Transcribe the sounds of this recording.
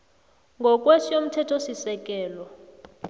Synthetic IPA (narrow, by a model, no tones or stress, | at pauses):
ŋɡʱɔk̬ʼwesijom̩tʰɛtʰosisɛk̬ʼɛːlɔ